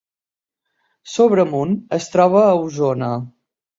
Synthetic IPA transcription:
soβɾəmunəst̪ɾɔβ̞əːuzonə

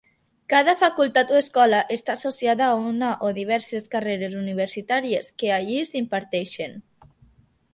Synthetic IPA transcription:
kað̞afakulˠt̪at̪ueskɔlaʔest̪aːsosjaðaunaʔoðiβ̞ɛɾseskareɾezuniβ̞eɾsit̪aɾieskeaʎizimpaɾt̪ɛʃen

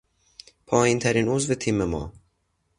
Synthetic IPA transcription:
pʰɒːjint̪ʰæɾiːnozvet̪ʰiːmemɒ̰ː

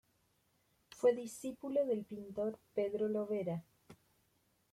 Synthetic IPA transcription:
fweðisipuloðelpint̪oɾpeðɾoloβeɾa

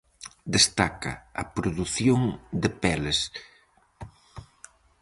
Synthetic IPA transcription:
d̪est̪akɐ̰ɐpɾoðuθjoŋd̪ɪpɛles

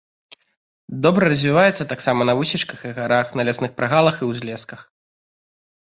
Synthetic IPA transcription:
d̪ɔbɾɐɾɐzʲvʲivajɛt̪sːɐt̪aksamɐnɐvɨsʲit͡ʂkɐxiɣaɾaxnɐlʲɛsnɨxpɾaɣalˠɐxiwzʲlʲɛskɐx

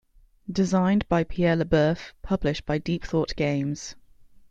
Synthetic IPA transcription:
d̥ɪzãɪ̃nb̥aɪpʰiɛːləbɜˑfpʰʌblɪʃb̥aɪdiˑpθɔˑʔɡ̥ẽɪ̃mz̥

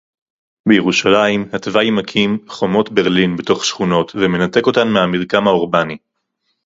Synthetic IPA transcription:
bejeʁuʃalaimhatvajmakʰimχo̞mo̞tbe̞ʁlinbeto̞χʃχuno̞tveme̞nate̞ko̞tanmehamiʁkamhaoʁbani

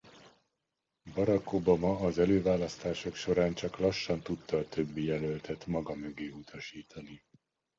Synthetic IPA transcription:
bɒɾɒkobɒmɒːzɛløːvaːlɒst̪aːʃo̞kʃo̞ɾaːnt͡ʃɒklɒʃːɒnt̪ut̪ːɒːt̪ø̞bːijɛlølt̪ʰɛt̪mɒɡɒmøɡeːut̪ʰɒʃiːt̪ʰɒni

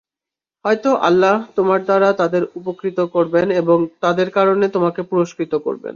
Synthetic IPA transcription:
hɔjt̪oʔa̰lːaɦt̪omaɾd̪aɾat̪ad̪eɾupokɾit̪okoɾbeneboŋt̪ad̪eɾkaɾonet̪omakepuɾoʃkɾit̪oko̰ɾbḛn

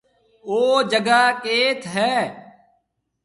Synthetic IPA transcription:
oːd͡ʒəɡaːkeːt̪ʰɦɛː

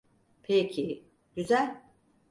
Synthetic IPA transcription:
pʰecʰi | ɟ̥yzælʲ

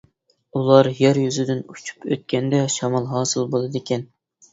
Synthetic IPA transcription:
ulˠɑɾjæɾjyzɪd̪ɪnut͡ʃʰu̥pʰø̰t̪̚kʲɛnd̪ɛʃɑmɑlˠɦɑːsɨlˠbolˠɨd̪ekʲʰɛn

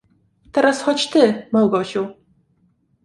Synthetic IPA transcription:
t̪ɛɾasxɔt͡ɕt̪ɘmawɡɔɕuw

